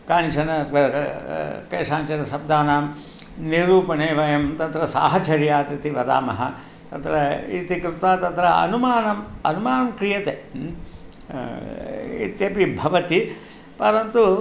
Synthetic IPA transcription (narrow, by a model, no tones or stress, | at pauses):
kaːnt͡ʃɐnɐ | kɐːʂaːnt͡ʃɐnɐsɐb̚d̪ʱaːnaːm | niɾuːpɐneːʋɐjɐmt̪ɐnt̪ɾɐsa̰ːɦɐt͡ʃɐɾjaːt̪it̪iʋɐd̪a̰ːmɐ̰ɦɐ̰ | t̪ɐ̰nt̪ɾɐḭt̪ikɾɪt̪aːt̪ɐnt̪ɾɐɐ̰numaːnɐmɐ̰numaːɐmkɾijɐt̪eː | ḭt̪jɐpibʱɐʋɐt̪i | pɐɾɐnt̪u